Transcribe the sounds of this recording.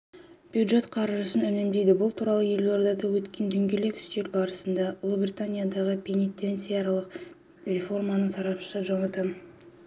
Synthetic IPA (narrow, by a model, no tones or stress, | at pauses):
b̥jud̪ʒe̞t̪qʰɑɾʒəsənʏnɪmd̪e̞jd̪ɪbʊlˠt̪ʰuɾɑlˠəje̞lʲoɾd̪ɑd̪ɑwɵt̪kʲʰe̞nd̪ʏŋɡʲe̞le̞kʲʏ̥st̪elbɑɾəsənd̪ɑulˠəbrʲit̪anʲijad̪ɑʁəpʲʰe̞nit̪ːe̞nsijalˠəq | re̞fo̞rmɑnəɴsɑɾɑpʃəʒɑmɑt̪ə